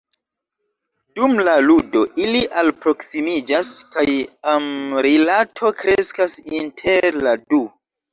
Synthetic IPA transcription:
d̥umlaludo̞ʔiliʔalpɾo̞ksimid͡ʒaskajamɾilatʰo̞kɾeskasintʰeɾladu

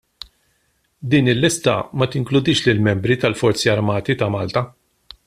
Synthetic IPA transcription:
d̪iːnɪlːɪst̪ɐ̰mɐt̪ɪŋklʊd̪ɪːʃlɪlmɛmbɾit̪ɐlfɔɾt͡siɐɾmɐːt̪it̪ɐmɐːlt̪ɐ

